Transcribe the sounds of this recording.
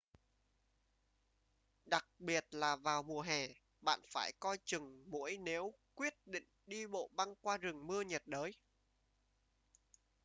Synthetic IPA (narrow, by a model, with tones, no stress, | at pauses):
ɗa˨˩k̚ɓi˨˩ət̚laː˨˩vaː˨˩wmu˨˩əɦɛ˨˩ | ɓa̰ː˧˨nfaː˧˩jkɔ˧jt͡ɕɨ˨˩ŋmṵ˧˥əjne˨˦wkwi˦˥ət̚ɗḭ˧˨ŋ̟ɗi˧ɓo̰˧˨ɓa˧ŋkwaː˧zɨ˨˩ŋmɨ˧əɲə˨˩t̚ɗəː˨˦j